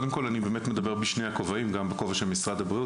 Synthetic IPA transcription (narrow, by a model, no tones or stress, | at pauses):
demko̞lanibe̞ːmet̪me̞d̪abe̞ʁbiʃne̞jakovaimɡambeko̞vaʃelmisʁadabʁiu